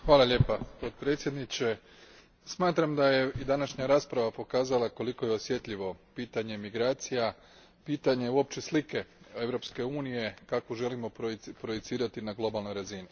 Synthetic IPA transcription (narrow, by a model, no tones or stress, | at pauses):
xʋaːlˠaʎe̞ːpapo̞t̪̚pɾeːt̪sjed̪nit͡ɕe̞ | smaːt̪ɾamd̪aje̞id̪anaʃɲaɾaːspɾaʋapo̞kaːzalˠako̞liko̞jeo̞sje̞t̪ʎiʋo̞piːt̪aɲe̞miɡɾaːt̪sija | piːt̪aɲe̞uo̞pt͡ɕeslike̞e̞ʋɾo̞pske̞uːnije̞kakoʒe̞limo̞ppɾo̞jet̪siːɾat̪inaɡlˠo̞balˠno̞jɾazini